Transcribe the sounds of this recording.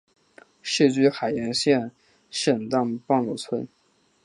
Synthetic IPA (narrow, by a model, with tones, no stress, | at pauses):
ʂ̩˥˧t͡ɕy˥˩xa˨˩ɪjɛ˧˥nɕjɛ˥˩n | ʂə˨˩nt̪a˥˧ŋpɑ˥˧ŋlu˥˩t͡sʰwə˧˥n